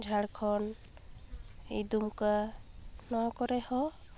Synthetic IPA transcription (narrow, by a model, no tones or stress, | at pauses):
d͡ʒʱaɽkʰɔn | ḛjd̪umka | nɔwãkɔɾɛhɔ